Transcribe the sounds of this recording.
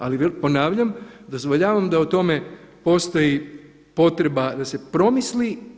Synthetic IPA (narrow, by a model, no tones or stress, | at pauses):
aliʋepo̞naːʋʎamd̪o̞zʋoʎaːʋamd̪aut̪o̞me̞ | po̞st̪oji | po̞t̪ɾe̞bad̪ase̞pɾo̞misli